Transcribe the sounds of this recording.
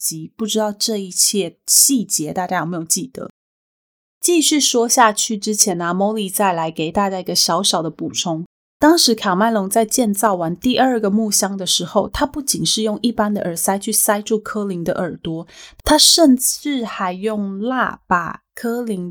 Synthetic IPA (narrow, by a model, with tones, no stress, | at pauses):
t͡ɕi˧˥pu˥˩ʈ͡ʂɻ̩˥t̪ɑ˥˧ʊʈ͡ʂɤ˥˧i˥˧t͡ɕʰjɛ˥˧ɕi˥˩t͡ɕjɛ˧˥t̪a˥˩t͡ɕja˥jme˧˥jo˨˩t͡ɕi˥˩d̪̥ə̰˩˦ | t͡ɕi˥˧ɕy˥˩ʂwɔ˥ɕja˥˧t͡ɕʰy˥˩ʈ͡ʂɻ̩˥t͡ɕʰjɛ˧˥nɐ˧mo˧˥ʊli˨˩t͡sa˥˩ɪla˧˥ɪke˨˩ɪt̪a˥˧t͡ɕa˥˩i˧ɡə˧ɕɑ˧˥ʊɕɑ˨˩ʊd̪ə˦pu˨˩ʈ͡ʂʰʊ˧˥ŋ | t̪ɑ˥ŋʂɻ̩˧˥kʰa˨˩ma˥˩nlʊ˧˥ŋt͡sa˥˧ɪt͡ɕjɛ˥˧nt͡sɑ˥˩ʊwa˧˦nt̪i˥˧ʔə˞˥˩ɡə˩mu˥˩ɕjɑ˥ŋd̪ə˨ʂɻ̩˧˥xo˥˧ʊt̪ʰa˥pu˥˩t͡ɕi˨˩nʂɻ̩˥˧jʊ˥˧ŋʔi˥˩pa˥nd̪ə̰˨ʔə˞˨˩sa˥ɪt͡ɕʰy˥˩sa˥ɪʈ͡ʂu˥˩kʰɤ˥li˧˥ŋd̪ə̰˧ʔə˞˨˩t̪wɔ˥t̪ʰa˥ʂə˥˧nt͡s̩˥˩xa˧˥ɪjʊ˥˧ŋla̰˥˩pa̰˨˩kʰɤ˥li˧˥ŋ